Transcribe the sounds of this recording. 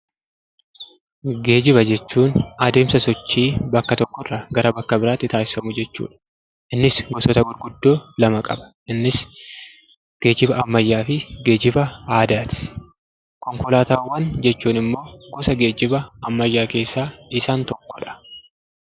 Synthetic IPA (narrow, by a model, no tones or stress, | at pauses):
ɡe̞ːd͡ʒɪbɐd͡ʒɛt͡ʃːuːnɐd̪e̞ːmsɐsɔt͡ʃːiːbɐkːɐt̪ɔkːɔrːɐɡɐɾɐbɐkːɐbɪɾaːt̪ːɪt̪aːsɪ̥fɐmʊd͡ʒɛt͡ʃːṵːᶑɐ̥ | ʔɪnːɪsɡɔsɔt̪ɐɡʊɾɡʊd̪ːo̞ːlɐmɐkʼɐ̰bɐ̥ | ɪnːɪs | ɡ̥e̞ːd͡ʒɪbɐʔɐmːɐjːaːfɪɡe̞ːd͡ʒɪbɐaːd̪aːt̪ɪ̥ | kɔŋkɔlaːt̪aːwːɐnd͡ʒɛt͡ʃːuːnɪmːo̞ːɡɔsɐɡe̞ːd͡ʒɪbɐɐmːɐjːaːke̞ːsːaːɪsaːnt̪ɔkːɔᶑɐ̥